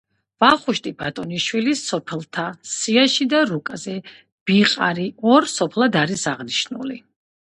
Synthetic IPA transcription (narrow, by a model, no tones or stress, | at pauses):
vaχuʃt̪ʼibat̪ʼɔniʃwilisɔpʰɛlˠt̪ʰasiaʃid̪aɾukʼazɛ | b̥iqʼa̰ɾiɔɾsɔpʰlˠad̪aɾisaʁniʃnṵli